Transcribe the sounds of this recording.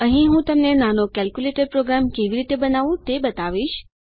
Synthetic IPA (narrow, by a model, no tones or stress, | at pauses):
əɦĩɦũt̪əmnenanokɛlkjuleʈəɾpɾoɡɾamkeʋiɾit̪ebənaʋũt̪ebət̪aʋiʃ